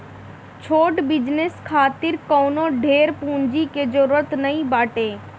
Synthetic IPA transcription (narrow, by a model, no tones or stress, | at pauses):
t͡ʃʰoːʈbɪd͡ʒneskʰaːt̪ɪɾkoːnõɖʱeːɾpũːɲd͡ʒiked͡ʒoɾət̪nɐĩbaːʈeː